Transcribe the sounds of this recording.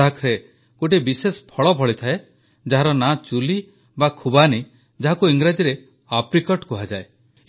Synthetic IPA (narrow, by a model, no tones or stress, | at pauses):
akʰɾe | koʈ̬ibisespʰɔɭɔbʱɔɭit̪ʰae | d͡ʒaɦaɾɔnat͡ʃuli | bakʰubani | d͡ʒaɦakuiŋɡɾad͡ʒiɾe | apɾikɔʈkuɦad͡ʒae